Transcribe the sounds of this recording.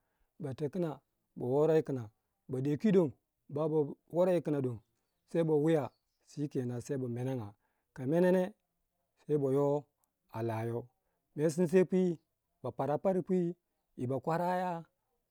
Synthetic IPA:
ba˨te˨ki˦na˨ | bo˨wo˦ɾa˦i˦ki˨na˨ | ba˨de˨kʷi˦do˨m | ba˨bo˨wo˦ɾa˦i˦ki˨na˨do˨m | se˦i˦bo˨wi˦ja˨ | si˦ke˨na˨se˦i˦ba˨me˨na˦ŋa˨ | ka˨me˦ne˦ne˦ | se˦i˦bo˨jo˦ | a˨la˨jo˦ | me˦s̬i˦ns̬e˦pʷi˦ | ba˨pa˨ɾa˨pa˦ɾi˦pʷi˦ | i˨ba˨kʷa˦ɾa˦ja˦

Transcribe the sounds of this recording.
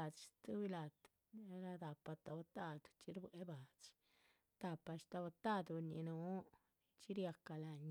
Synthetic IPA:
a˨t͡ʃt̪u˦wi˦la˨t̪ | ɾa˧d̪a˨pa˧t̪a˧wa˧t̪a˦d̪t͡ʃi˧ɾbwe˦ba˨t͡ʃ | t̪a˨pa˧ʃt̪a˧ba˧t̪a˦d̪u˧nḭ˧nu˨˦ | t͡ʃi˦ɾja˧ka˧la˧ɲ

